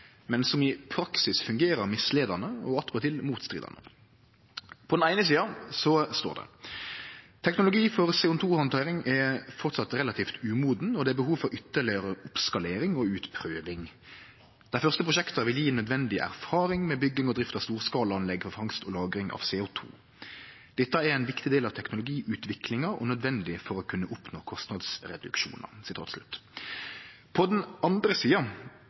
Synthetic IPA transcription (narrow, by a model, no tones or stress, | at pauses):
mɛnsɔmɪpʰɾɑksɪsfʉŋɡeːɾəʁmɪsleːd̪ɑnəɔ̰ɑt̪ʁɑt̪ʰɪlmuːt̪st̪ʁḭːd̪ɑ̰nə̰ | pʰɔd̪ɛnæɪnəsiːɑsɔst̪o̰ːʁd̪ɛ̰ | t̪ʰɛknʊlʊɡiːfɔʁseːʊt̪ʰuːhɑnt̪ʰɑɪɾɪŋɛfɔʁt̪sɑt̪ːʁɛlɑt̪ʰiːft̪ʰʉːmuːd̪n̩ɔd̪ɛæbəɦuːʋfɔɾʏt̪ːəʁlɪəɾəʊpskɑleːɾɪŋɔʉːt̪pʰɾøːʋɪŋ | d̪̥æɪfœʁst̪əpɾʁʊʃɛkt̪əʋɪljiːnœd̪ʋɛnd̪ɪʔæ̰ʁfɑːɾɪŋmɛbʏɡːɪŋɔd̪ɾɪft̪ɑʋst̪uːʁskɑːləɑnlɛɡfɔʁfɑŋst̪ɔlɑːɡɾɪŋʔɑ̰ʋseːʊt̪ʰṵː | d̪̥ɛt̪ːəæɾɛnʋɪkt̪ɪd̪eːlɑʋt̪ʰɛknʊlʊɡiːʔʉːt̪ʋɪklɪŋɑɔ̰nœd̪ʋɛnd̪ɪfɔɾɔkʰʉnːəʔʊpnoːkʰɔst̪nɑd̪sɾɛd̪ʉ̰kʃṵːnə̰sɪt̪ʰɑ̰ːt̪slʉ̰t̪ː | pʰɔd̪ɛnʔɑnd̪ɾəsiːɑ